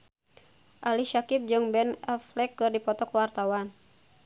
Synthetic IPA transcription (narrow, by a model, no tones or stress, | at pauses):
ʔaliʃakip̚d͡ʒɨŋbɛnaflɛkːɨrdipɔt̪ɔkwart̪awan